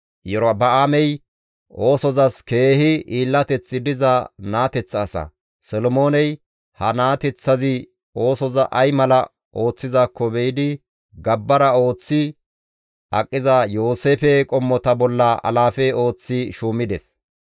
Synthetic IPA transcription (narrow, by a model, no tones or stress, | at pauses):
jɛɾbɐaːmɛj | ʔo̞ːsɔzɐske̞ːhɪʔiːlːɐt̪ɛt͡sːɪd̪ɪzɐnaːt̪ɛt͡sːsɐ̰ | sɔlɔmo̞ːnɛj | hɐnaːt̪ɛt͡sːɐzɪ | o̞ːsɔzɐʔɐjmɐlɐ | ʔo̞ːt͡sːɪzaːkːɔbɛjɪd̪ɪ | ɡɐbːɐɾɐo̞ːt͡sːɪ | ʔɐkʼːɪzɐjo̞ːseːfɛkʼɔmːɔt̪ɐbɔlːɐʔɐ̰laːfɛo̞ːt͡sːɪʃuːmɪd̪ɛs